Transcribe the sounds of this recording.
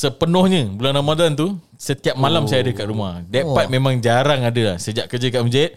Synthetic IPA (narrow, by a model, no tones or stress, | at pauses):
səpənɔhɲə̃bulanamadant̪u | sət̪iap̚malamsajaːdəkaʔɾumahdapat̪̚mẽmãŋd͡ʒaɾaŋadəlahsəd͡ʒaʔkərd͡ʒəkaʔməd͡ʒat̪̚